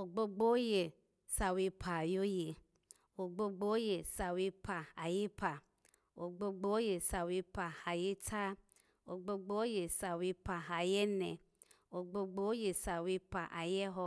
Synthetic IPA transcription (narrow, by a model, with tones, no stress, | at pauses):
o˨ɡ͡bo˧ɡ͡bo˦je˨ | sa˨wi˧pʰa˨jo˦je˨ | o˨ɡ͡bo˧ɡ͡bo˦o˦je˨sa˨wi˧pʰa˨a˨je˦pʰa˨ | o˨ɡ͡bo˧ɡ͡bo˦o˦je˨sa˨wi˧pa˨ha˨je˦tʰa˦ | o˨ɡ͡bo˧ɡ͡bo˦o˦je˨sa˨wi˧pa˨ɦa˨jɛ˦nɛ˨ | o˨ɡ͡bo˧ɡ͡bo˦o˦je˨sa˨wi˧pa˨ʔa˨jɛ˦ɦɔ˧